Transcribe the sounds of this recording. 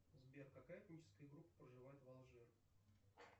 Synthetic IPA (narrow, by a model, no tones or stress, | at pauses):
zbʲerkakajat̪nʲit͡ɕɪ̥skəjəɡɾupːə̥pɾəʐɨvajɪt̪valˠʐɛ